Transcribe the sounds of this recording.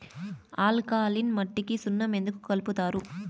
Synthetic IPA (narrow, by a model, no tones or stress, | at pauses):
aːlkaːlinmɐʈːikisunːɐme̞nd̪uku̥kɐlput̪aːɾu